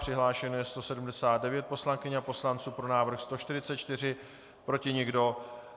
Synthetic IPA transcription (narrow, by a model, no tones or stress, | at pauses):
r̥ɪɦlaːʃɛnojɛst̪o̞sɛdum̩dɛsaːd̪̚dɛvjɛt̪̚po̞slaŋkɪɲapo̞slant͡suːpɾo̞naːvɾr̩xst̪o̞ʃt̪ɪɾɪt͡sɛt̪t͡ʃt̪ɪr̝ɪ | pɾo̞cɪɲɛɡdo̞